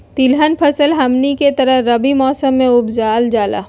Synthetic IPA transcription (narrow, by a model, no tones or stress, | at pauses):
t̪ilɦənpʰəsəlɦɐmniket̪ɐɾəɦɾɐbimɔːsəmːẽʊbd͡ʒaːld͡ʒaːla̰ː